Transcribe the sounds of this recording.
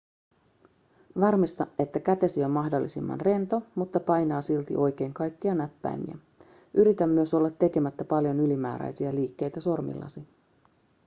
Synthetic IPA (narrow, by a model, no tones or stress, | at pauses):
ʋɑrmist̪ɑe̞t̪ːækæt̪esio̞mmɑɦdo̞lːisimːɑ̰nre̞nt̪o̞mut̪ːɑpɑjnɑːsilt̪ḭʔo̞jk̟e̞jŋkɑjkːiɑnæpːæ̰imḭæ̰ | ʔyɾit̪æmːyøso̞lːɑt̪ːe̞ke̞mæt̪ːæpɑljo̞nylimæ̰ːɾæ̰jsiɑliːkːe̞jt̪æso̞rmḭlːɑ̰si